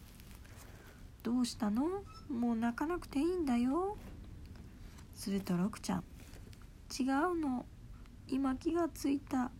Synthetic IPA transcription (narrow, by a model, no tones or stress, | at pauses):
d̪̥o̞ːɕi̥t̪ano̞mo̞ːnakanakɯ̟̥t̪e̞ĩnd̪ajo̞ | sɨɾɯ̟t̪oɾokɯ̟̥t͡ɕã̰ŋ | t͡ɕiɡaɯ̟no̞ | imakʲiɡat͡sɨit̪a